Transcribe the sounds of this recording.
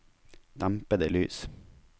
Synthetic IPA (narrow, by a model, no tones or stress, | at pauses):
d̪̥æmpəd̪əlyːs